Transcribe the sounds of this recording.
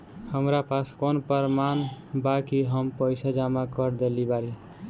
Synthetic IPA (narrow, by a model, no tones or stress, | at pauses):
həmɾapaskonpəɾmanbakiɦəmpəjsad͡ʒamakəɾd̪elibaɾi